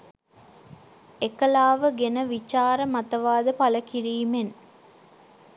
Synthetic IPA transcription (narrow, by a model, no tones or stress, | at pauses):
ekɐlaːʋəɡenəʋit͡ʃaːɾəmɐt̪ɐʋaːd̪əpɐlɐkiɾiːmen